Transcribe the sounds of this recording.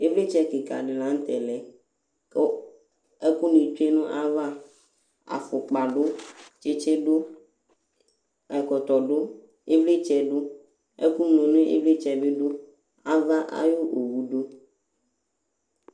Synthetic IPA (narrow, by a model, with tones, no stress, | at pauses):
e˦vle˦t͡ʃɛ˦ke˨ka˨ɖe˨lã˨˦ŋ̩˦t̪ɛ˨lɛ˨ | ko˦ | e˦ku˦nĩ˨t͡ʃe˦nũ˦ʔa˦va˦ | a̰˨fo˨k͡pa˨ɖo˦t͡ʃe˦t͡ʃe˦ɖo˦ | ɛ˨kɔ˨t̪ɔ˨ɖo˦ | e˦vle˦t͡ʃɛ˨ɖo˦ | ḛ˦ku˦mlɔ̃˨nẽ˦ḛ˦vle˦t͡ʃɛ˨be˦ɖo˦ | a˦va˦ʔa̰˦jo˦ʔo˨wu˨ɖo˦